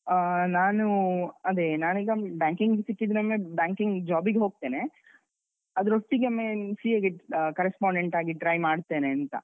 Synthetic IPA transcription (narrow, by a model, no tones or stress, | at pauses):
naːnuɐd̪enaːniːɡɐbjaːŋkiŋɡɡsikːid̪ɐmːebjaːŋkiŋɡd͡ʒaːbiɡeɦoːɡ̚t̪e̞ːne | ɐd̪ɐɾosʈːiɡɐmːesieɡekɐɾespaːɳɖeɳʈaːɡiʈɾajmaːɽt̪e̞ːneɐnt̪ɐ̰